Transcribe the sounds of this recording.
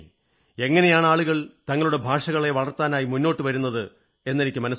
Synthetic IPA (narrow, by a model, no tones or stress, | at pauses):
e̞ŋːɐne̞jaːɳaːɭuɣɐɭt̪ɐŋːɐɭuɽe̞bʱaːʂɐɣɐɭe̞ʋɐɭɐrt̪aːnaːjimunːo̞ːʈːɨʋɐɾunːɐðɨ | e̞nːenikʲːɨmɐnɐs